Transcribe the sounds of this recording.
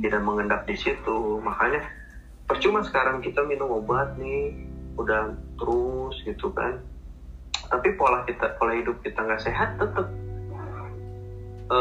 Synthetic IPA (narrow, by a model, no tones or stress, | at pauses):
t̪idaʔməŋəndap̚disit̪umakaɲa | pərt͡ʃumansə̥kaɾaŋkit̪aminʊŋobat̪̚nɪudat̪əɾʊsɡit̪uka̰n | t̪apipolahkit̪apolahɦidʊp̚kit̪aŋɡaʔseɦat̪ːət̪əp̚ | ʔə